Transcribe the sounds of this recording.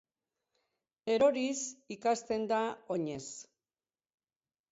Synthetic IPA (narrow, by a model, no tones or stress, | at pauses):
e̞ɾo̞ɾisikast̪e̞nd̪ao̞ɲe̞s